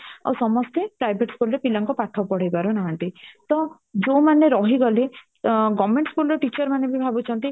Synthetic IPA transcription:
a̰wsɔmɔst̪epɾajbʱeʈskulɾepilɔŋkɔpaʈʰɔwpɔɽ̤ajbaɾunaɦant̪it̪ɔ | d͡ʒomaneɾɔɦiɡɔle | ɡɔmeɳʈskulɔʈit͡ʃɔɾmanebʱibʱabut͡ʃʰɔnt̪i

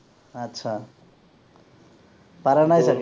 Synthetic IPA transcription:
ʌt̪ːsʰʌ | paɾanajsʌk

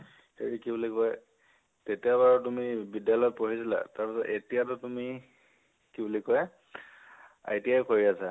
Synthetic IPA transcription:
heɹikibulikɔj | tetijaβaɹɔtumibidjalɔjɔpoɦizila̰taɹpisɔtetijatʊtumi | kibulikɔj | a̰jtijajkoɹiasa

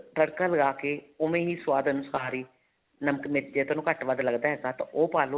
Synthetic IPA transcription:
ʈəɽkaːləɡaːkeːʊmẽːɦiːswaːd̪ənʊsaːɾiː | nəməkmɪt̪̚d͡ʒeːt̪oːnũːkəʈʋəd̪ləɡd̪aːɦɛːɡaːt̪ã̰ʔoːpaːlõː

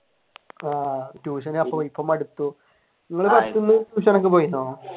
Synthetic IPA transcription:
aːʈjuːɕ̬ɐnɐpːɐʋɐjpːɐmɐɽut̪ːu | niŋːɐɭɨpɐt̪ːunːɨʈjuːʂɐnok̬ːepo̞ːjunːoː

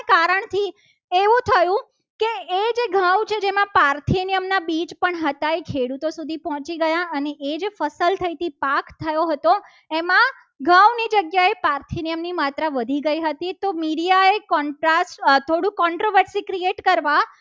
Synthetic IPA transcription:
kaɾəɳt̪ʰi | eʋũt̪ʰəjũ | keːd͡ʒeɡʱãwt͡ʃʰed͡ʒemãpaɾt̪ʰinijəmnabit͡ʃpəɳɦət̪aekʰeɽut̪osud̪ʱipɔɦɔ̃t͡ʃiɡəjãəneʔed͡ʒefəsəlt̪ʰəit̪ipakt̪ʰːəjoɦət̪o | emã | ɡʱãwnid͡ʒəɡjaepaɾt̪ʰinijəmnimat̪ɾaʋəd̪ʱiɡəiɦət̪it̪omiɽijaekɔɳʈɾast̪ʰoɽũkɔɳʈɾoʋəɾsikɾieʈkəɾʋa

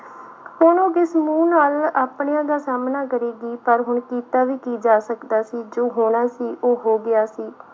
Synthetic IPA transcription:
hʊɳoːɡɪsmũːnaːlaːpɳejãːd̪aːsaːmnaːkəɾeːɡiːpəɾɦʊɳkiːt̪aːʋiːkiːd͡ʒaːsəkd̪aːsiːd͡ʒoːɦoɽ̃aːsiːʔoːɦoːɡɪaːsiː

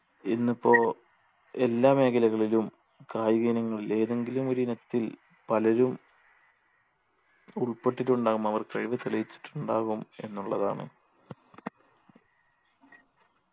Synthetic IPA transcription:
inːipːo̞ː | e̞lːaːme̞ːkʰɐlɐɣɐɭilum | kaːjɣiːnɐŋːɐɭile̞ːðe̞ŋɡilumo̞ɾunet̪ːil | pɐlɐɾum | uɭpeʈːiʈːuɳɖaːɣumɐʋɐrkɐɻiʋɐt̪ɐlɐjit͡ɕːi̥ʈːuɳɖaːɣume̞̰nːuɭːɐða̰ːɳɨ̰

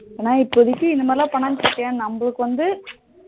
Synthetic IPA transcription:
eːnːaːɪpːoðɪkːɯɪnd̪ɯmaːɾɪlãːpɐɳːaːɲt͡ʃɯkːẽːnɐmbɐɭɯkːɯʋɐnd̪ɯ

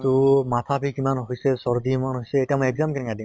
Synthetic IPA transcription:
t̪omat̪ʰabʱikimanɦojsɛsɔɹd̪imanɦojsɛːtiamojɛɡzamkinɛkadim

